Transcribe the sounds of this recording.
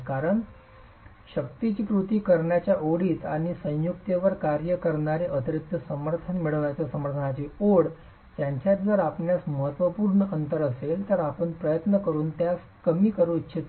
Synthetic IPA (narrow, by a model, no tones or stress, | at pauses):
kaɾəɳ | ɕək̚t̪it͡ɕiːpɾut̪iːkəɾɳjat͡ɕjaʔoɽiːt̪aɽ̃isə̃j̃jukt̪eʋəɾkaɾjəkəɾɳaɾeʔət̪əɾik̚t̪əsəməɾt̪ʰənmiɭəʋɳjat͡ɕjasəməɾt̪ʰənat͡ɕiːoɽ | t̪jaɲt͡ɕjat̪d͡zəɾapɳjasməɦət̪ːʋəpuːɾɳəʔənt̪əɾəselt̪əɾapəɳpɾəjət̪nəkəɾuːnt̪jas | kəmiːkəɾoitːɕʰit̪